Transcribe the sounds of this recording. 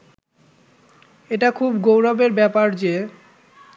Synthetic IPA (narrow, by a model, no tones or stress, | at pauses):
eʈakʰubɡowɾabeɾbɛpaɾd͡ʑe